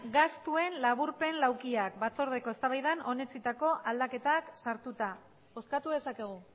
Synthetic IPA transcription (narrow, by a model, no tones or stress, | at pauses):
ɡast̪ue̞nlaβuɾpe̞nlawkiak̚bat͡so̞ɾð̞e̞ko̞est̪aβajð̞ano̞ne̞t͡sit̪ako̞ʔald̪ake̞t̪aksaɾt̪ut̪a | o̞skat̪uðe̞sake̞ɣ̞u